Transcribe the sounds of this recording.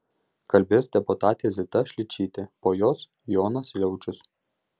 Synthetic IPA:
kɐlʲbʲɪsd̪ʲɛpʊt̪ɑːt̪ʲezʲɪt̪ɐʃʲlʲɪt͡ʃʲiːt̪ʲɪpoːjoːs | joːnɐslʲɛʊt͡ʃʲʊs

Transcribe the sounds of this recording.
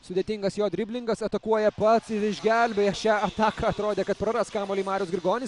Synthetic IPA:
sʊd̪ʲeːt̪ʲɪŋɡɐsjoːd̪ʲɾʲɪbʲlʲɪŋɡɐsɐt̪ɐkuɔjɛpɐt̪sɪɾɪʒʲɡʲælʲbʲɛɐʃʲæːɐt̪ɑːkɐɐt̪ɾoːd̪ʲeːkɐt̪̚pɾɐɾɐst̪kɑːmoːlʲiːmɑːɾʲʊsɡʲɾʲɪɡoːnʲɪs

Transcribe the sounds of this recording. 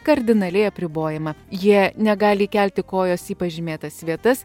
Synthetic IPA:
kɐɾʲd̪ʲɪnɐlʲɛɪɐpʲɾʲɪboːjɛmɐjiɛnʲɛɡɑːlʲiːkʲɛˑlʲt̪ʲɪkoːjoːsiːpɐʒʲɪmʲeːt̪ɐssʋʲiɛt̪ɐs

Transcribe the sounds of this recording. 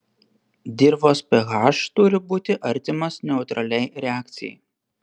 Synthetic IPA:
d̪ʲɪɾʋoːspʲɛɣɑˑʃt̪ʊɾʲɪbuːt̪ʲɪʔɐɾʲt̪ʲɪmɐsnʲɛʊt̪ɾɐlʲɛɪɾʲɛɑːˑkt̪sʲɪjɛ̰ɪ

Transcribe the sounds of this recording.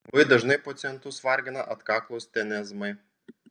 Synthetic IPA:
ʋɐɪd̪ɐʒnɐɪpɔt̪sʲɛnt̪ʊsʋɐɾʲɡʲɪnɐ̰ʔɐt̪kɑːklˠoʊst̪ʲɛnʲɛzmɐɪ

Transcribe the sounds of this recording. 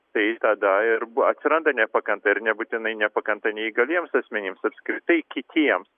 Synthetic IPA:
t̪ɐɪt̪ɐd̪ɐɪɾɐt̪ʲsʲɪɾɐnd̪ɐnʲɛpɐkɐnt̪ɐɪɾnʲɛbut̪ʲɪnɐɪnʲɛpɐkɐnt̪ɐnʲɛiːɡɐlʲiɛmsɐsʲmʲɛnʲɪmsɐpʲsʲkɾʲɪt̪ɐɪkʲɪt̪ʲʰiɛms

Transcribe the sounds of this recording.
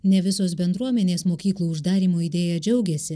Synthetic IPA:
nʲɛʋʲɪsoːs̬bʲɛnd̪ɾuɔmʲɛnʲeːsmoːkʲiːklˠuːʊʒd̪ɑːɾʲiːmoːid̪ʲeːjɛd͡ʒʲɛʊɡʲɛːsʲɪ

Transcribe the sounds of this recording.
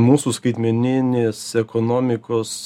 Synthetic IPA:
muːsuːskɐɪt̪ʲmʲɛnʲɪnʲeːsɛkoːnoːmʲɪkoːs

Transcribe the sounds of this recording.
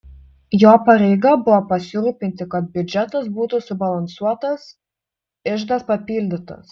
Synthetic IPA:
joːpɐɾʲɛɪɡɑbʊʋɔpɐsʲɪɾuːpʲɪnʲt̪ʲɪkɐt̪̚bʲʊd͡ʒʲɛt̪ɐsbuːt̪ʊsʊbɐlˠɐnsuɔt̪ɐs | ɪʒd̪ɐspɐpʲiːlʲd̪ʲɪt̪ɐ̰s

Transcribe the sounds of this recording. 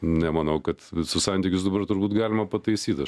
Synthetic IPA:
nʲɛmɐnɐʊkɐt̪sʊsɑnʲt̪ʲɪkʲʊsd̪ɐbɐrt̪ʊɾbuːt̪ɡɑːlʲɪmɐpɐt̪ɐɪsʲiːt̪ɐ

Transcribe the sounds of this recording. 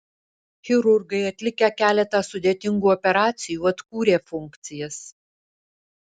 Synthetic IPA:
xʲɪɾʊɾɡɐɪɐt̪ʲlʲɪkʲɛkʲæːlʲɛt̪ɐsʊd̪ʲeːt̪ʲɪŋɡuːɔpʲɛɾɑːt̪sʲɪjuːɐt̪kuːɾʲeːfʊŋʲˑkt̪sʲɪjɛs

